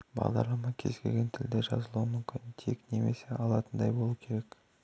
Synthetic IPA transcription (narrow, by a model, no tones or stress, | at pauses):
bɑ̰ʁd̪ɑ̰ɾlˠɑmɑkʲʰe̞zɡʲe̞̰lʲɡʲe̞nt̪ʰɪld̪eʒɑ̰zəlˠuəmʏmkʲɪnt̪ʰe̞̰kne̞me̞se̞ʔɑlˠɑt̪ənd̪ɑjbo̞lˠukʲʰe̞ɾe̞k